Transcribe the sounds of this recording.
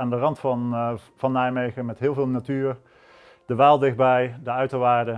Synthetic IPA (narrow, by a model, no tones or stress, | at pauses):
aːndərɑntfɑn | vɑnːajmejχəmɛtɦɪːlˠvɪːlˠnatyːɹ | d̥əʋaːlˠdɪχd̚bɛjdəœɥtowʋaːɹdə